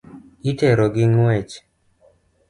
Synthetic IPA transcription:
itɛɾoɡɪŋɛt͡ʃ

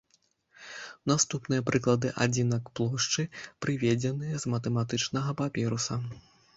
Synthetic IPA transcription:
nast̪upnɨjɐpɾɨklˠɐd̪ɨʔa̰d͡zʲinɐkplˠɔʂt͡ʂɨpɾɨvʲed͡zʲɛnɨjɐzmɐt̪ɛmat̪ɨt͡ʂnɐɣɐpapʲɛɾusɐ

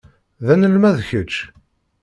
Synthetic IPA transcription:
ðænəlmæðçət͡ʃː

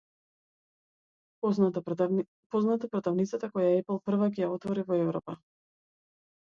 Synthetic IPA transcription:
pɔznat̪apɾɔt̪avnit̪sat̪akɔjaɛpl̩ˠpr̩vakɛjaɔt̪vɔɾivɔɛvɾɔpa

